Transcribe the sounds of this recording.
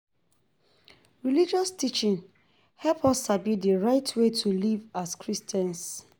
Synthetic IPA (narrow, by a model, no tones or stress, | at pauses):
ɹilid͡ʒɔstit͡ʃĩn | hɛlpʰɔsabmitdəɹaɪtʰwetʰulivaskɹistɛ̃ns